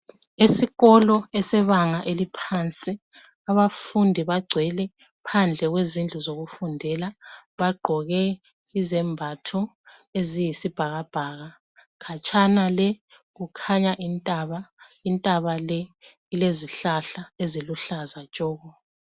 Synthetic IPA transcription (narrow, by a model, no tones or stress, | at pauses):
esiɣɔlɔɛsɛβaŋaʔelipʰant͡sʼi | aβafundʱiβaɡ͡ǀʱwɛlɛ | pʰand͡ɮʱɛɣwezind͡ɮʱuzoɣufundʱɛlaβaɡ͡ǃʱɔɣɛ | izɛmbʱatʰɔ | ezijisib̥ʱaɣab̥ʱaːɣa | kʰat͡ʃʼʰanalɛ | ɣukʰaɲaʔintʼaβaintʼaβalɛ | ileziɬaɬaeziluɬazat͡ʃʼɔːɣɔ